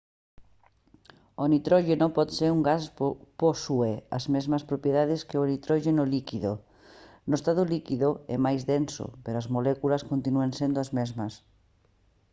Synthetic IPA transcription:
onit̪ɾɔʎenõmpɔðseɾuŋɡasposueɐ̰zmezmɐspɾopjeðaðeskeonit̪ɾɔʎenolikiðo̰ | noest̪aðolikiðoɛ̰majzðenso̰peɾoazmolɛkulɐskont̪inuensend̪oazmezmɐs

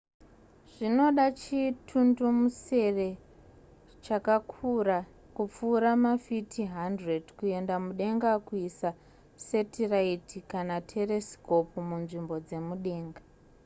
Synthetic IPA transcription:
ʐ̥ino̞ɗat͡ʃitʰundumuse̞re̞ | t͡ʃakakʰura | kup͡fuːɾamafitʰiɦandredkue̞ndamuɗe̞ŋɡakuisa | setiraitikanatʰe̞re̞sko̞pmunʐimbo̞d͡ze̞muɗe̞ːŋɡa

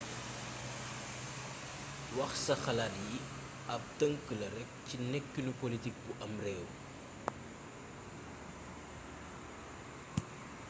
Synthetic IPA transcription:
wɐxsɐxɐlalji | ɐp̚təŋkəlɐɾɛk̚cinɛkːunupolitik̚buʔɐmrɛːw

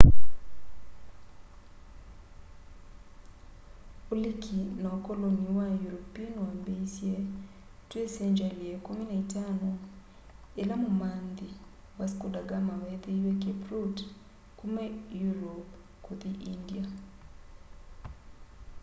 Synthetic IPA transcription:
olikʰinaokoloniwajuɾopiɔnwambeisje | twesɛɲd͡ʒaliekominaitanɔ | elamomand̪i | waskodaɡamawɛteiwekeprut | kumejuɾɔp | koðiʔindia

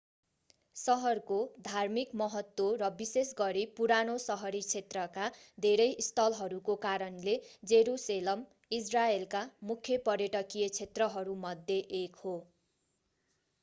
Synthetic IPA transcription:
sʌɦʌrkod̪ʱarmikmʌɦʌt̪woɾʌbisesɡʌɾipuɾanosʌɦʌɾit͡sʰet̪rʌka | d̪ʱeɾʌjʔist̪ʰʌlɦʌɾukokaɾʌnled͡zeɾuselʌm | is̬raelkamukʰjʌpʌɾjʌʈʌkijʌt͡sʰet̪rʌɦʌɾumʌd̪ʱːjeʔekho

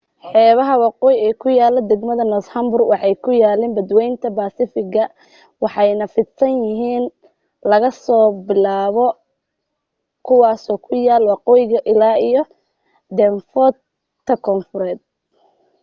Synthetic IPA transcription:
ħɛːβɐɦɐwɑqɔːjɛːkʰʊjaːlɔd̪ɛɡmɐðɐnɔshɐmbʊrwɑħɑjkʰʊjaːlɛːmbɐd̪wɛjnt̪ʰɐbaːsɪfɪɣɐ | wɑħɑjnɐfɪd̪sɐnjɪɦiːn | lɐɣɐsɔːbɪlaːβɔ | kʰʊwɑːsɔːkʰʊjaːlwɑqɔːjɣɐʔɪlaːijɔ | d̪ɛnfɔ | t̪ʰɐkʰɔnfʊɾɛːd̪̚

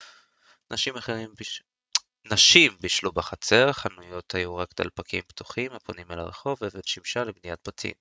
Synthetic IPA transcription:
naʃimaχeʁim | naʃimbiʃlubaχat͡se̞ʁχanujo̞t̪hajuʁakd̪a̰lpakʰḭmpt̪u̥χimaponimelaʁeχo̞vved̪ʃimʃalebnijat̪̚batḭm

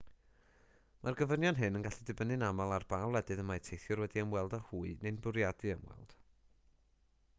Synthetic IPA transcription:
mʔarɡəvənjɔnɦɨnənɡaɬidɨbənɨnamalˠarb̥awlˠɛdɨðəmajtʰejθjʊrwɛdiəmwɛlˠdahuːɨnenbʊɾjadɨəmwɛ̰lˠd̥

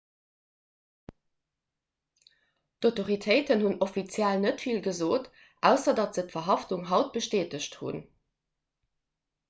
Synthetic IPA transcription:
d̥oʊtoʁitʰəɪtənhunofit͡sjælnətfilɡəzoːt | ʔæʊsɐdɑtz̥ətfɐɦɑftuŋɦɑʊt̚b̥əʃteːtəɕthṵn

